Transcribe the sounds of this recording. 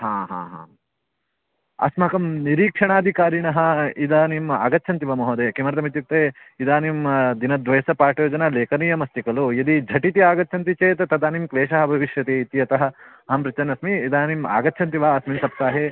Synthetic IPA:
ɦãːɦã̰ːɦã̰ː | ɐ̰smɐkɐmniɾiːkʂɐɳaːd̪ʱikaːɾiɳɐɦɐ̆id̪aːnima̰ːɡɐt̪ːt͡ʃʰɐnt̪iʋɐmɐɦoːd̪eːkimɐɾɐt̪ɐmit̪juk̚t̪eː | id̪aːnimd̪inɐd̪ʋɐjɐsɐpaːʈjoːd͡ʒɐnɐleːkɐniːjɐmɐst̪ikɐlujɐd̪id͡ʒʱɐʈit̪iaːɡɐt̪ːt͡ʃʰɐnt̪it͡ʃeːt̪et̪ɐd̪aːnimkleːʃɐɦɐbʱɐʋiʃjɐt̪iːt̪ijɐt̪ɐɦɐ | ɦɐmɾit͡ʃɐnɐsmiːd̪aːnima̰ːɡɐt̪ːt͡ʃʰɐnt̪̬iʋaːɐsmimsɐp̚t̪aːɦeː

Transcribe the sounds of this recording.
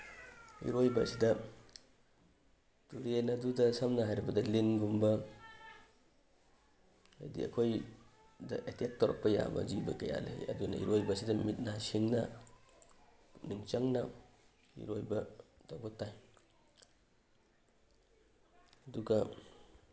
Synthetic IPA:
ḭɾojbɐsidɐ | tuɾenɐdudɐsɐmnɐɦajɾibɐdɐlinɡumbɐ | a̰jdḭɐ̰kʰoj | dɐʔetek̚tɔɾɔ̰k̚pːɐja̰bɐ̰d͡ʒibɐ̰kɐja̰lḛjɐ̰dunɐ̰ḭɾojbɐsidɐmit̚nasiŋnɐ | niŋt͡ʃɐŋnɐ | ḭɾojbɐdaɡɔtːaj | ɐduɡɐ

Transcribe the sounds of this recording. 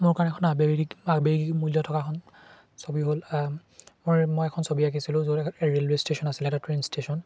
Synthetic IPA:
mʊɹkanɛkʰɔnabeabeɡimuljɔtʰɔkakʰɔn | sobiɦol | momojɛkʰɔnsobiak̬isilʊ̃zoɹelwestesɔnasilɛtatɹenstesɔn

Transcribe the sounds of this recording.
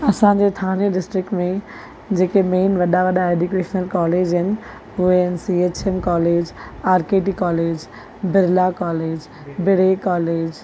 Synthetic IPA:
ɐsãːd͡ʑeːt̪ʰãːneɖɪsʈɾɪkʈmẽ | d͡ʑeːkemeːnʋɐɗaʋɐɗaeːɖjukeːʃnəlkɔːleːd͡ʑɦɪnɪ̆ | ɦʊɦeɪnɪsiːeːt͡ɕemkɔːleːd͡ʑaːɾkeːʈikɔːleːd͡ʑ | bɪɾlakɔːleːd͡ʑ | bɪɽekɔːleːd͡ʑ

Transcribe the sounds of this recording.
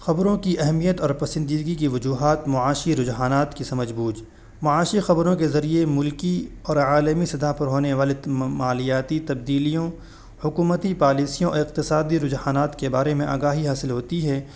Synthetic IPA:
xɐbɾõkiʔɛɦmijət̪ɔːɾpɐsɪ̃nd̪iːd̪ɡikiʋɐd͡ʒuːɦaːt̪mʊaːʃiɾʊd͡ʒɦaːnaːt̪kisɐməd͡ʒbuːd͡ʒ | mʊaːʃixɐbɾõkezɐɾiemʊlkiɔːɾaːləmisɐd̪aɦpɐɾɦoːneʋaːlemaːlijaːt̪it̪ɐb̚d̪iːlijõ | hʊkuːmət̪ipaːliːsijõʔɔ̰ːɾɪq̚t̪ɪsaːd̪iɾʊd͡ʒhaːnaːt̪kebaːɾemẽʔa̰ːɡaːɦiɦaːsɪlɦoːt̪iɦɛː

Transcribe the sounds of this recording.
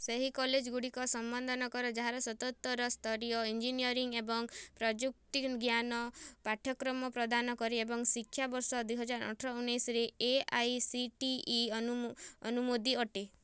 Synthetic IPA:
seɦikɔled͡ʒɡuɽikɔsɔmbɔnd̪ʱɔnɔkɔɾɔd͡ʒaɦaɾɔsɔt̪ɔt̪ɔɾɔst̪ʰɔɾijɔind͡ʒiniɔɾiŋɡebɔŋpɾɔd͡ʒuk̚t̪iɡjanɔpaʈʰjɔkɾɔmɔpɾɔd̪anɔkɔɾiebɔŋsikʰːjabɔɾsɔd̪wiɦɔd͡ʒaɾɔ̰ʈʰɾɔunesɾeeajsiʈiː | ɔnumod̪iɔʈe

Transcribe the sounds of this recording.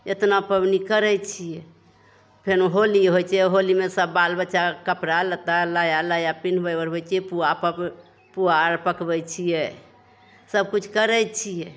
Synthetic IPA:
et̪napəbnikəɾɛt͡ʃʰijɛ | pʰenɦoliɦojt͡ʃʰɛɦolimesəbːalbətːt͡ʃʃakəpɾalət̪alajalajapin̤bəjbəɾɦojt͡ʃʰɛɛpuapə | puaɾpəkbɛt͡ʃʰijɛ | səb̚kut͡ʃʰkəɾɛjt͡ʃʰijɛ

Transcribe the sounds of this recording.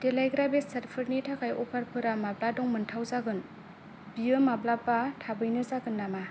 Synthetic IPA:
delajɡɾabessɐɾpʰɯɾnitʰakʰajʔɔpʰaɾpʰɯɾamabladɔŋmɯntʰawzaɡɯn | bijɯmablapatʰabɯjnɯzaɡɯnːama

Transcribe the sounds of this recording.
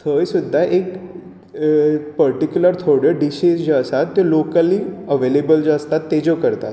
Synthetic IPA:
t̪ʰəjsud̪ʱːaʔek | pəɾʈikjuləɾt̪ʰoɽəɖiɕisd͡ʑasat̪ːolokəliəʋelebəld͡ʑast̪at̪ːed͡zokəɾt̪a̰t̪

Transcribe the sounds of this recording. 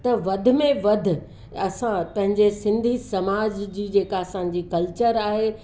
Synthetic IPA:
t̪ɐʋɐd̪ʱʊ̆mẽʋɐd̪ʱʊ̆ | ɐsãpɐ̃ɦɪ̃ɲd͡ʑesɪ̃nd̪ʱisɐmaːd͡ʑd͡ʑiːd͡ʑeːkaɐsã̆d͡ʑiːkɐlt͡ɕəɾaːɦe

